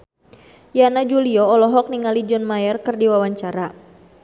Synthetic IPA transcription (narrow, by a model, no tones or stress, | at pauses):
janad͡ʒuliɔɔlɔɦɔk̚niŋalid͡ʒɔnmajɛrkɨrdiwawaɲt͡ʃaɾa